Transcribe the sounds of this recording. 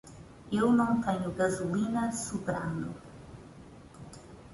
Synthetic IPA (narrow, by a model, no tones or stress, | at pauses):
ewnɐ̃w̃t̪ɛɲʊɣɐzulinɐsupɾanṵ